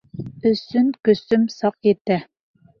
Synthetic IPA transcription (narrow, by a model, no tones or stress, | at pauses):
ɵ̆sɵŋkɵ̆sɵmsɑqjet̪æ